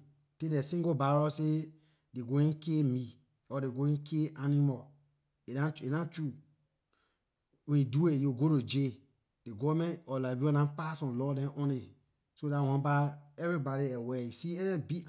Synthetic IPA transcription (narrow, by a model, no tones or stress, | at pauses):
tedɛsĩɡobaɾɔse | deɡoĩnkemi | ɔdeɡoĩnkʰeʔanimɔ | eãenãt͡ʃu | wẽiduejoɡoɾod͡ʒe | deɡɔmɛ̃nɔlabiɔ̃nãpasɔ̃nlɔdɛ̃ʔɔ̃ne | sodawãbaɛvɾibaɾiɛwɛisiɛnɛbi